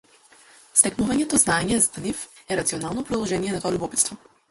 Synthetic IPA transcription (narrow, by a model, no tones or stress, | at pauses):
st̪ɛknuvaɲɛt̪ɔznaɛɲɛzd̪nifɛɾat̪siɔnalˠnɔpɾɔd̪lˠɔʒɛnijɛnat̪ɔalʲubɔpit̪st̪vɔ